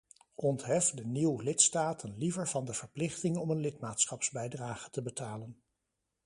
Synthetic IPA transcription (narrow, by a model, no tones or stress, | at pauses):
ɔntɦɛfdəniwlɪtstaːtʰənlivəɹvɑndəv̥əɹplɪχtɪŋɔmənlɪtmaːtsχɑpzbɛjdraːχətəbətaːlən